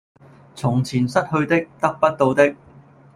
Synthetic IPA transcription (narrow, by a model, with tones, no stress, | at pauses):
t͡sʰʊ˨˩ŋt͡sʰiː˨˩nsɐ˥t̚hɵ˧ɥt̪ɪ˥k̚t̪ɐ˥k̚pɐ˥t̚t̪o˧wt̪ɪ˥k̚